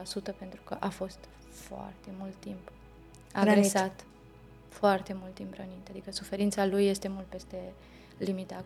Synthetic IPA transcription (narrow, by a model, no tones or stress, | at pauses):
asut̪əpe̞nt̪ɾukəʔafo̞st̪ | foa̰rt̪e̞mult̪ːimp | aaɡɾesat̪ | foart̪e̞mult̪imbɾənit̪ad̪ikəsufe̞ɾint̪salujːe̞st̪e̞mult̪̚pe̞st̪e̞ | limit̪a